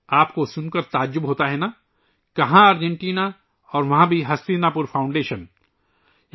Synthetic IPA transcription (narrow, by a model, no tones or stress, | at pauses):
aːpkosʊnkəɾt̪aːd͡ʒːʊbɦoːt̪aɦɛna | kɐɦãɐːɾd͡ʒẽɳʈiːna | ɔːɾʋɐɦãbʱiɦɐst̪iːnapʊɾfʰaːʊ̃ɳɖeːʃən